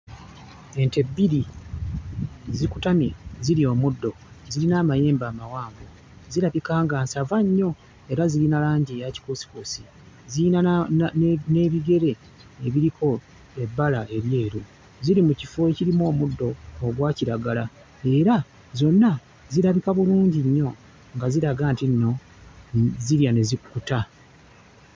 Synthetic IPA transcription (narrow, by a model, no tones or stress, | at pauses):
e̞nte̞bːiɾi | zikutamiziɾio̞ːmudːo̞ | zilinaːmaje̞ːmbaːmawaːmbo | zilaβikaːŋɡaːnsavaɲːo̞ | e̞ɾazilinalaːɲɟeːjaci̥kosi̥kosi | ziina | ne̞βiɡe̞ɾe̞ | eβiɾikʰo̞ | e̞bːalae̞ɾje̞ːɾu | ziɾimucifo̞eciɾimo̞ːmudːo̞ːɡwaːciɾaɡala | e̞ːɾa | zo̞nːa | ziɾaβikaβuluːɲɟiɲːo̞ | ŋɡaziɾaɡaːntinːo̞ | ziljane̞zikkuta